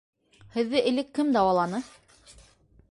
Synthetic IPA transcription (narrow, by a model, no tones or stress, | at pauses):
hɘ̆ðːɘʔɘ̆lɘkːɘmd̪ɑwɑlˠɑnɤ